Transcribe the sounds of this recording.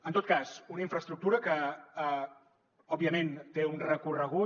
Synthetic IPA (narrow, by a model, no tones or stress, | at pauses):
ənt̪ot̪̚kazunəiɱfɾəst̪ɾuk̚t̪uɾəkə | ɔbiəment̪eunrəkurəɣ̞u